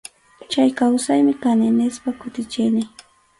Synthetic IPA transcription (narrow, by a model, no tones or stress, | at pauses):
t͡ʃajkawsajmɪkanenɪspakʊt̪ɪt͡ʃɪjnɪ